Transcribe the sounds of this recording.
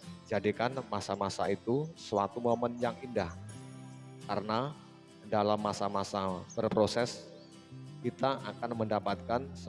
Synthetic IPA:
d͡ʒadikanmasamasait̪usəwat̪umomənjaŋindah | kaɾəna | dalamːasamasab̥ərpɾosɛs | kit̪aʔakanməndapat̪̚kansə

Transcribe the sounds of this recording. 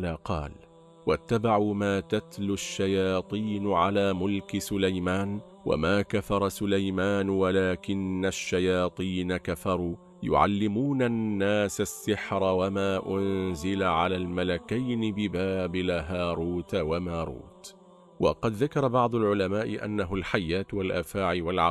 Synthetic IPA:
aːqɑ̰ːl | wat̪ːabaʕuːmaːt̪at̪lʊʃːajɑːt̪ˤiːnʕalaːmʊlkɪsʊlajmaːn | wa̰maːkafɑɾˤɑsʊlajmaːnwalaːkɪnːaʃːajɑːt̪ˤiːnakafɑɾˤuː | jʊ̰ʕa̰lːɪmuːnanːaːsasːɪħɾˤawamaːʔʊnzɪlaʕalaːlmalakajnɪbɪbaːbɪlaɦaːɾˤuːt̪wamaːɾˤṵːt̪ | wɑ̰qɑd̪ðakɑɾˤɑbɑʕd̪ˤʊlʕʊlamaːʔɪʔa̰nːaɦʊlħajːaːt̪walʔaːfaːʕɪwalʕ

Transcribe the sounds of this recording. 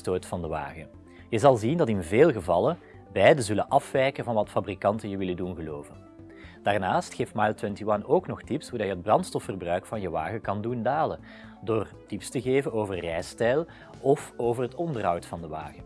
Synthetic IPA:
toːtfɑndəʋa̰ːɣə | jəzɑlˠzindɑtɪnveːlˠɣəvɑlən | bɛjdəzɵlənʔɑfʋɛjkənvɑnʋɑtfabrikɑntəjəʋɪlədunɣəloːvən | d̥aːrnaːstxeːftmajlˠtwɛntiʋɑnoːknɔxtipshurdɑjəɦəd̚brɑntstɔfərbrœɥkfɑnjəʋa̰ːɣəkɑndundaːlə | doːrtipstəɣeːvənoːvərːɛjstɛjlˠ | ɔfoːvərɦətɔndərɦɑwtfɑndəʋa̰ːɣə

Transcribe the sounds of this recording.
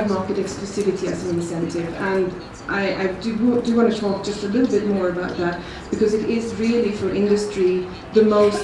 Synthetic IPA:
vmɑɹkɨɾɛksklusɪvɨtʰiɨ̰zə̃nɪ̃nsɛ̃ntʰɪvə̃n | ʔaɪʔa̰ɪdɨwdɨwɑ̃ñtɨtʰɔk̚d̥ʒ̥ʌstəlɪɾl̩ˠbɪt̚mɔɹəbaʊt̪̚ðæt̚ | b̥ɨkʌzɨɾɪzɹilˠifə˞ʔɪ̃ndɨstɹ̥i | ðəmoʊs

